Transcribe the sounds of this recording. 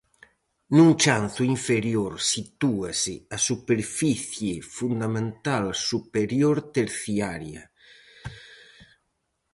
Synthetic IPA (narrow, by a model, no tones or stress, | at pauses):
nuŋt͡ʃanθuiɱfeɾjoɾsit̪uasɪasupeɾfiθjefund̪amẽnt̪alsupeɾjoɾt̪eɾθiaɾja̰